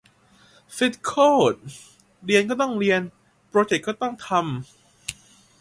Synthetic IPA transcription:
fi˦˥t̪̚kʰoː˥˩t̪̚ | ɾi˧ənkɔː˥˩t̪ɔ˥˩ŋɾi˧ən | pɾoː˧t͡ɕe˨˩k̚kːɔː˥˩t̪ɔ˥˩ŋt̪ʰa˧m

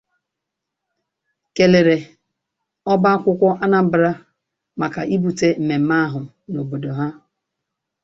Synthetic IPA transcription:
ke˨le˨ɾe˨ | ɔ˦ba˦kʷʊ˦kʷɔ˦ʔa˦na˨m̩˦bɾa˦ | ma˨ka˨ʔi˦bu˨te˦m̩˨me˨m̩˦ma˦ɦʊ˨ | no˨bo˨do˨ɦa˦

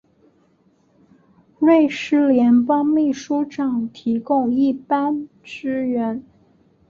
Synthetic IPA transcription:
le˥˩ɪʂɻ̩˥ljɛ˧˥npɑ˥ŋmi˥˩ʂu˥ʈ͡ʂɑ˨˩ŋt̪ʰi˧˥kʊ˥˧ŋi˥˩pa˥n | ʈ͡ʂɻ̩˥ɥɛ˧˥n

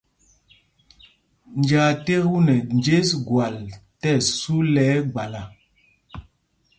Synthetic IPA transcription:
nd͡ʒa˨te˦ɣu˦nɛ˨nd͡ʒe˦sɡwa˨ltɛ˦˨su˦lɛ˨˦ɡ͡ba˨la˨

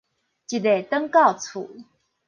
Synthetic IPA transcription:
t͡ɕi˨˩d̪e˨˩t̪ə˥ŋkɑ˥˩ʊt͡sʰṵ˨˩˦

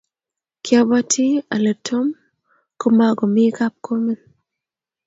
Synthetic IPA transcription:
kja˦ba˦tʰi˦a˨le˨tʰo˦m | ko˦ma˨ɡo˨mɪ˦ka˦p̚ko˦me˦n

